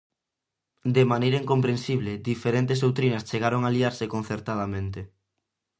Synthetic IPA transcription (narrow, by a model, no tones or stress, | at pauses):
d̪emanejɾɐiŋkompɾensiβled̪ifeɾent̪eszðowt̪ɾinɐst͡ʃeɣaɾoŋaliaɾsekon̟θeɾt̪að̞amẽnt̪e